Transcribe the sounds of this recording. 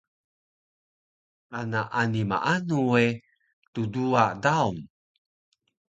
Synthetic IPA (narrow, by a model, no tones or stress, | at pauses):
ʔanaʔanima̰ʔanue | tuduadaum